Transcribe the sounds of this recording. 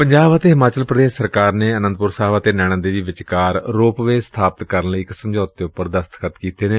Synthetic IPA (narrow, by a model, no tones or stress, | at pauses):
pəɲd͡ʒaːbət̪eːɦɪmaːt͡ʃəlpɾəd̪eːʃsəɾkaːɾneːənə̃nd̪pʊɾsaːʋət̪eːnɛːɽ̃aːd̪eːʋiːʋɪt͡ʃkaːɾːoːpʋeːst̪ʰaːpət̪kəɾənləiːksəmd͡ʒoːt̪̚d̪eːʊpːəɾd̪əst̪kʰət̪kiːt̪eːneː